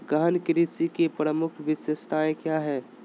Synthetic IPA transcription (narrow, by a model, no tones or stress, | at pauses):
ɡankɾisikepɾəmʊkʰʋɪsjəst̪ʰaẽkjaɦɛː